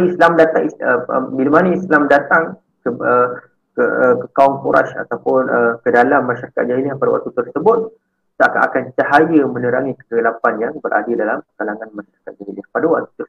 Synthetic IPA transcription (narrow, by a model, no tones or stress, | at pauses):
islamdat̪aŋiəəbiləmanəislamdat̪aŋ | kəə | kəəkəkaɔŋkuɾa̰sa̰t̪awpʊnəkədalamːaʃaɾaka̰t̪̚d͡ʒaɦilɪhpadawa̰k̚t̪ut̪ərsəbʊt̪̚ | t̪aakaʔa̰kant͡ʃaɦajəmə̃nəɾaŋikə̥ɡalapanjaŋbəɾʔa̰dədalamkalaŋanmaʃaɾakat̪̚d͡ʒaɦilɪhpadawa̰k̚t̪u̥t̪ər